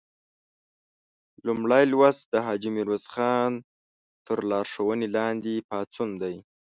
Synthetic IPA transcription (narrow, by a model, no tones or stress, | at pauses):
lumɽajlwazd̪əɦɑd͡ʒimiɾwazxɑn | t̪əɾlɑɾʂəwənelɑnd̪epɑt͡sund̪aj